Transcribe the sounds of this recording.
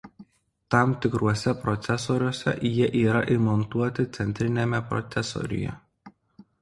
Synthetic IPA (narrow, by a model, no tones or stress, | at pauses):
t̪ɑˑmt̪ʲɪkɾuɔsʲɛpɾɔt̪sʲɛsoːɾʲuɔsʲɛ̰jiɛʔiːɾɐʔimɔnt̪uɔt̪ʲɪt̪sʲɛnʲt̪ʲɾʲɪnʲemʲɛpɾɔ̰t̪sʲɛso̰ɾʲɪ̰jɛ̰